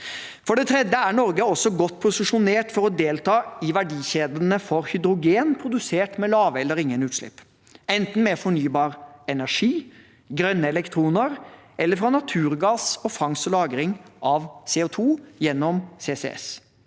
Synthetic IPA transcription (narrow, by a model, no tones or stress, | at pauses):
fɔɖɛt̪ʰɾɛd̪jəæɳɔɾɡəɔsːɔɡɔt̪ːpʰʊsɪʂʊneːʈfɔɾɔd̪eːlt̪ʰɑːɪʋæɖiːçeːd̪ənəfɔɾhʏd̪ɾʊɡeːnpʰɾʊd̪ʉseːʈmɛlɑːʋəɛlːəɾɪŋːənʉːt̪ʃʂlɪ̰pː | ɛnt̪n̩mɛfɔɳyːbɑːɾɛnæʂiː | ɡɾœnːəɛlɛkt̪ʰɾuːnəɾʔɛlːəɾfɾɑnɑt̪ʰʉːɾɡɑːsɔfɑŋsɔlɑːɡɾɪŋʔɑʋseːʊt̪ʰuːjɛnːɔmseːsḛɛ̰s